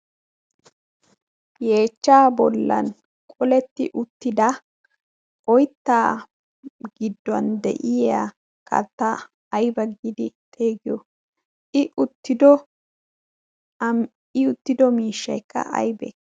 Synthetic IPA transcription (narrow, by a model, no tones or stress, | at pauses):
je̞ːt͡ʃːaːbɔlːɐ̰n | kʼɔlɛt̪ːɪ̰ʔʊt̪ːɪd̪ɐ | ɔjt̪ːaː | ɡɪd̪ːɐnd̪ɛ̰ʔɪa | kʰɐ̰t̪ːɐ | ɐjbɐɡːɪd̪ɪt̪ʼe̞ːɡɪjɔ | ʔɪʔʊt̪ːɪd̪ɔ | ɪʊt̪ːɪd̪ɔmiːʃːɐjkːɐ̰ʔɐ̰jbɛ̰